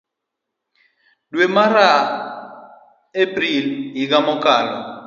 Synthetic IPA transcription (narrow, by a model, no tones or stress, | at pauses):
lwɛmaɾa | ebrilɦik̬amɔkʼaːja